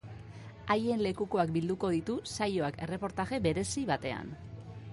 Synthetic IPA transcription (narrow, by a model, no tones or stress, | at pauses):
aje̞nle̞kuko̞ak̚bild̪uko̞ð̞it̪usajo̞ake̞re̞po̞ɾt̪aɣe̞be̞ɾe̞siβat̪e̞a̰n